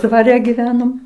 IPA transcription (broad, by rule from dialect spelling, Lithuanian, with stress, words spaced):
dʋɐˈrʲɛ ɡʲiːˈʋʲæːnoːm